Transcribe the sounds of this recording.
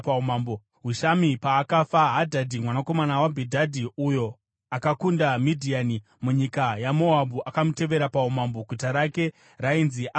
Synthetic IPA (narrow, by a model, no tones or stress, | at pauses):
paumambo | ɦuʃamipaːkafaɦadʱadʱimwanako̞manawabʱidʱadʱiujo̞ | akakundamidʱiani | muɲikajamo̞abuʔakamute̞ʋe̞ɾapaumamboɡʱutaɾake̞ | rainziʔa